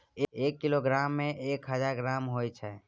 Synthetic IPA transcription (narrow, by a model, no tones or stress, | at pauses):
eeːkːiloɡɾaːmːẽʔeːkɦəd͡ʒaːɾɡɾaːmɦojt͡ʃʰɛ